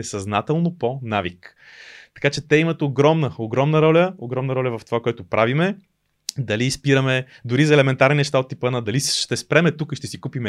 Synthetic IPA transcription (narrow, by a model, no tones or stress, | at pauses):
ɛsɐznat̪ɛlˠnoponavik | t̪ɐ̥kat͡ʃɛt̪ɛimət̪oɡɾɔmnəoɡɾɔmnəɾɔlʲəoɡɾɔmnəɾɔlʲəvɐft̪ovakoɛt̪oʊpɾʔavimɛ | d̪ɐlispiɾəmɛ | d̪ʊɾizɐɛlɛmɛnt̪aɾninɛʃt̪aot̪ːipənəd̪ɐliʃt̪ɛspɾɛmɛt̪ukiʃt̪ɛsikupimɛ